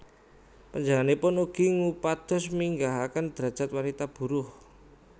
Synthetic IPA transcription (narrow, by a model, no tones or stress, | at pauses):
pəɲd͡ʒalanepʊnuɡ̥i̤ŋupad̪̥ɔ̤smiŋɡaɦakənd̪̥ɾa̤d̥d͡ʒ̥a̤t̪̚wanit̪ab̥uɾʊh